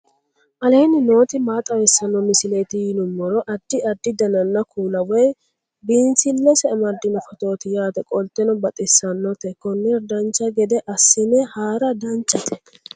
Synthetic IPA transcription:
ʔɐleːnɪno̞ːt̪ɪmaːt̪ʼɐwɛsːɐnːɔmɪsɪleːt̪ɪjɪnʊmːɔɾɔʔɐd̪ːɪɐd̪ːɪd̪ɐnɐnːɐkʰuːlɐwɔj | biːnsɪlːɛsɛɐmɐɾd̪ɪnɔfɔt̪o̞ːt̪ɪjaːt̪ɛkʼɔlt̪ːɛnɔbɐt̪ʼɪsːɐnːɔt̪ɛkɔnːɛɾd̪ɐnt͡ʃːɐɡɛd̪ɛʔɐsːɪnɛhaːɾɐd̪ɐnt͡ʃʼːɐt̪ʰɛ̥

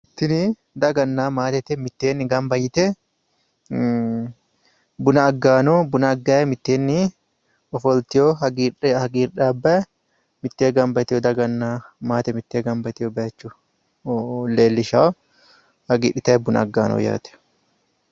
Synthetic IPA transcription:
ɪt̪ːɪni | d̪ɐɡɐnːaːmaːt̪ɛt̪ɛmɪt̪ːeːnːɪɡɐmbɐjɪt̪ɛ | bʊnɐːɡːaːnoːbʊnɐːɡːɐɛmɪt̪ːeːnːɪ | ɔfɔlt̪ɪjoɦɐɡihɐɡiːɾᶑaːbːɐɛ | mɪt̪ːeːɡɐmbɐt̪ɪjɔd̪ɐɡɐnːaːmaːt̪ɛmɪt̪ːeːɡɐmbɐt̪ɪjobɐɐt͡ʃːu | leːlːɪʃaː | hɐɡiːᶑɪt̪ɐɛbʊnɐ̰ɐɡːaːnʔo̰ːja̰ːt̪ɛ̥

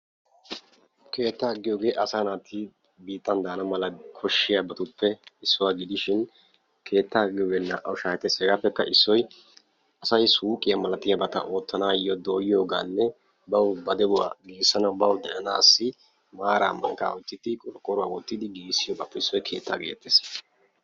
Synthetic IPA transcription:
kʰe̞ːt̪ːaːɡɪjo̞ːɡe̞ːʔɐsaːnaːt̪ɪ | biːt̪ːɐnd̪aːnɐmɐlɐkʰɔʃːɪjabɐt̪ʊpːɛɪsːʊwaːɡɪd̪ɪʃɪn | kʰe̞ːt̪ːaɡɪjoːɡeːnːɐʔɐ̰wʊʃaːjɛt̪ːɛsʼɛːɡapːɛkːɐʔɪsːɔj | ʔɐsɐjsuːkʼːɪjamɐlɐt̪ɪjabɐt̪ɐ̰ʔo̞ːt̪ːɐnaːjɔd̪o̞ːjɪjo̞ːɡaːnːɛ | bɐwbɐd̪ɛʊwa̰ːɡiːsːɐnɐwbɐwd̪ɛʔɐnaːsːɪ | maːɾa̰ːmːɐ̰ŋka̰ːɔt̪ːɪt̪ːɪkʼɔlkʼːɔɾʊwaːwɔt̪ːɪd̪ɪɡiːsːɪjoːɡaːpːɛɪsːɔjkʰe̞ːt̪ʰːa̰ɡeːt̪ːes

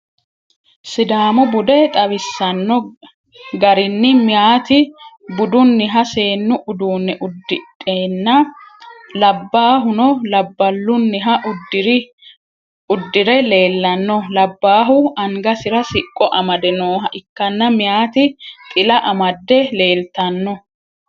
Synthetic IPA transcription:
sɪd̪aːmʊbʊd̪ɛt̪ʼɐβɪsːɐnːɔ | ɡɐɾɪnːɪmɪjaːt̪ɪbʊd̪ʊnːɪɦɐse̞ːnːʊʔʊd̪uːnːɛʔʊd̪ːɪtʼːeːnːɐ | lɐbːaːɦʊnɔlɐbːɐlːʊnːɪɦɐʊdɾ | ʊd̪ːɪɾɛle̞ːlːɐnːɔlɐbːaːɦʊɐŋɡɐsɪɾɐsɪkʼːɔʔɐmɐd̪ɛnoːɦɐʔɪkːɐnːɐmɪjaːt̪ɪt̪ʼɪlɐʔɐmɐd̪ːɛle̞ːlt̪ɐnːɔ

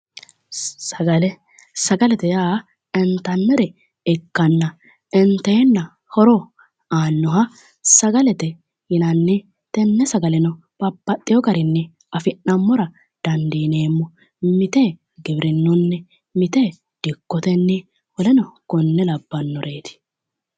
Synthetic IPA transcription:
sɐɡɐlɛ | sɐɡɐlɛt̪ɛjaː | ɛnt̪ɐnːɛɾɛ | ɛkːɐnːɐ | ɛnt̪eːnːɐ | hɔɾɔ | aːnːɔɦɐ | sɐɡɐlɛt̪ɛ | hɪnɐnːɛ | t̪ɛnːɛsɐɡɐlɛnɔ | b̥ɐpːɐt̪ʼːɪjɔɡɐɾɪnːɛ | ɐfɪnːɐmːɔɾɐ | d̪̥ɐnd̪iːneːmːɔ | mɪt̪eː | ɡɪbɾɪnːɔnːɛ | mɪt̪e | d̪̥ɪkːɔt̪ɛnːɛ | wɔlɛnɔkɔnːɛlɐbːɐnːɔɾʔeːt̪ɪ̥

